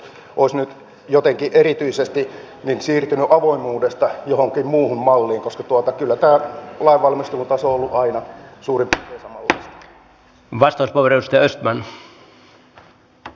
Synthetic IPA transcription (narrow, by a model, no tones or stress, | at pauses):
ʔoˑisnyt̪ | jot̪eŋkiʔerit̪yisest̪i | ninsiːrt̪ynyʔɑʋoimˑuːdest̪ɑjohoŋkimmuːhummɑlːiːŋkoskɑt̪uɑt̪ɑkylːæt̪æːlɑiʋʋɑlmist̪uːnt̪ɑsoolːuʔɑinɑsuːrimpʋeːsɑmɑlːɑist̪ɑ̥ | ʋɑst̪ɑuspoʋerojust̪ɑɑøst̪mæn